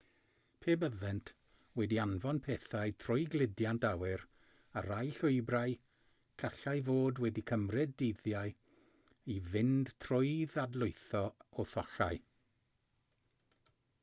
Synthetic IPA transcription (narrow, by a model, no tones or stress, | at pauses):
pʰeːbəðɛntʰ | wɛdianvɔnpʰeːθajtʰrʊjɡlɪdjantawɪɾ | a̰ɾajɬʊɨbraj | kʰaɬajvoːdwɛdikʰəmrɨdːeðjaj | ivɪnd̥tʰrʊjðadlˠʊɨθɔɔθɔɬa̰j